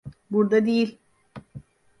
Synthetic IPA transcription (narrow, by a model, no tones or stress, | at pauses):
buɾd̪ad̪ejilʲ